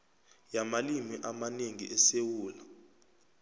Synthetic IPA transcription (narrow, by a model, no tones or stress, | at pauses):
jamalimiʔamaneŋḭʔɛsewuːla